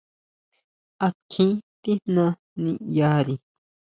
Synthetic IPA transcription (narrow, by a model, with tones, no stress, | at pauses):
a˧kʰĩ˦t̪i˦nnã˧ | nĩ˧ja˧˦ɾi˧